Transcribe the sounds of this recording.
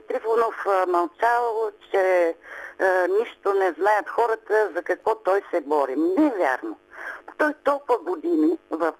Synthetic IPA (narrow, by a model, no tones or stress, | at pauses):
t̪ɾifonofmɐlˠt͡ʃavəlˠt͡ʃɛ | niʃt̪onɛznajət̪xɔɾət̪əzɐkɐkvɔt̪ɔjsɛbɔɾimnɛvʲja̰ɾnot̪ɔjt̪ɔlˠpəɡod̪inivɐf